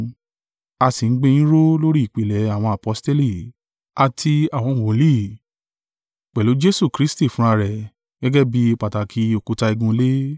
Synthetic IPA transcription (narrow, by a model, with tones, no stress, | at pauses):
a˧si˨n̩˦ɡ͡be˧nĩ˦ɾo˦lo˦ɾi˦i˨k͡pe˨lɛ˨˦a˦˨w̃ɔ̃˧a˨pɔ˨˦ste˦li˦˨ | a˨tʰi˧a˨w̃ɔ̃˧˨wo˨˦li˦˨ | k͡pɛ˨lo˨˦d͡ʒe˦su˦˨kɾi˨˦sti˦˨fũ˦a˧ɾɛ˨ | ɡ̥ɛ˦ɡɛ˦bi˦˧k͡pa˨ta˨kʰi˧˦o˨ku˨˦ta˧i˧ɡũ˧le˦